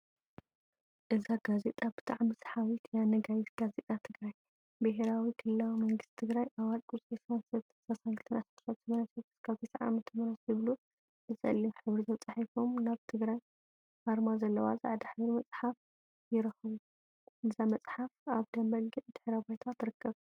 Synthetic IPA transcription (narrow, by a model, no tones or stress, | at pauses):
ʔɨzaɡ̥azet̪ʼab̥ɨ̥t̪ʰʼaʕamɨsħawit̪janɐɡajit̪ɡ̥azet̪ʼat̪ʰɨɡɾaj | bɨɦeɾawikʰɨlːawimɐŋɡɨst̪t̪ʰɨɡɾajʔaβalkʼut͡sʼesansɐ | sasaŋɡɨlt̪ʰɨnʔasɐt̪ʰːsat̪sʰɨmɐɾɐsi̥skʰaβt̪ʰet̪ʰaʕa̰mɨt̪ʰɨmɐɾɐsɨβlu | ɨzʼɐ̰lːimħɨβɾit̪ʰɐt͡sʼaħifomnaβt̪ʰɨɡɾaj | haɾmazɐlːɐwa̰zʼa̰ʕd̪ɐħɨβɾimɐt͡sʼħaf | jɪɾɐxβu | ʔɨzamɐt͡sʼħafaβd̪ɐmbɐlɡɨd̪̥ɨħɾabajt̪ʰat̪ʰːɾɨkːɐβ